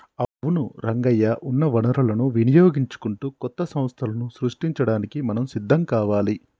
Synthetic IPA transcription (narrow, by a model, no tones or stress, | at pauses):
ɐʋunuɾɐŋɡɐjːɐʔunːɐʋɐnɐɾɐlɐnuʋinijoːɡiɲt͡ʃu̥kuɳʈuːkɔt̪ːɐsɐ̃m̃st̪ʰɐlɐnusɾuʂʈiɲt͡ʃɐɽaːnikimɐnɐmsid̪ʱːɐmkaːʋaːli